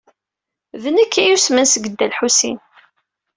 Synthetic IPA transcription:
vənəkʰːæjusmənsəɡəd̪ːælħusin

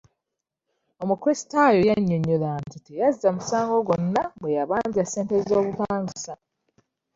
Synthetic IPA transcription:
o̞mukwesi̥tajo̞jaɲːo̞ɲolantitejazizamusaːŋɡo̞ɡo̞nːabwe̞jaβaːɲɟiase̞ːnte̞zizo̞ːβupaːɲɡisa

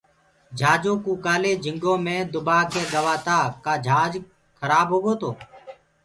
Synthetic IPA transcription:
d͡ʒʱaːd͡ʒoːkuːkaːleːd͡ʒʱɪŋɡõːmẽːd̪ʊbaːkeːɡəʋaːt̪aːkaːd͡ʒʱaːd͡ʒ | kʰəɾaːbɦoːɡoːt̪ʰoː

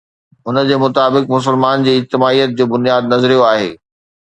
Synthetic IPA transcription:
ʊnəd͡ʑeːmʊt̪aːbɪkmʊs̬ɪlmaːnd͡ʑiːɪd͡ʑt̪ɪmaːijət̪̚d͡ʑoːbʊnijaːd̪nɐzɾijoaːɦḛː

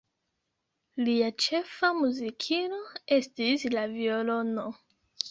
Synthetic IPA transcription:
liat͡ʃe̞famuzikʰino̞e̞stislaviolo̞no̞

